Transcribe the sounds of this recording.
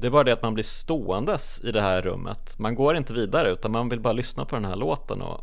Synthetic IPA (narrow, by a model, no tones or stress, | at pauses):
d̪ɛæɾbɑːɾad̪ɛat̪manblɪʂt̪oːɛnd̪əs | ɪd̪ɛhæːɾːɵ̰mːʔə̰t̪manɡoːɾɪnt̪əviːd̪aɾəʉ̟ːt̪anmanvɪlbɑːɾalʏsnapʰɔd̪ɛnhæːɭoːt̪ə̰nɔ̰